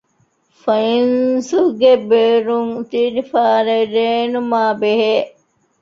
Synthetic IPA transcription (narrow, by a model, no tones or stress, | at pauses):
fɐinsuɡebeːɾuŋut̪iɾifaːɾɐiɾeːnumaːbeɦeː